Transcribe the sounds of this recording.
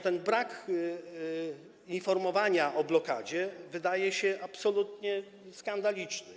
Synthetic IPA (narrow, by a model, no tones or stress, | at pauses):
t̪ɛnbɾak | infɔɾmɔvaɲaʔɔblɔka̰d͡ʑɛvɘd̪ajɛɕɛʔapsɔlut̪ɲɛ | skand̪alʲit͡ʂnɘ